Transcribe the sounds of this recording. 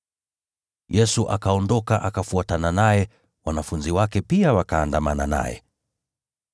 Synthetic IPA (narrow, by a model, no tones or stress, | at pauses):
jɛsuʔakaɔndɔkaʔakafuatananajɛ | wanafunziwakɛpiawakaːndamana̰na̰jɛ̰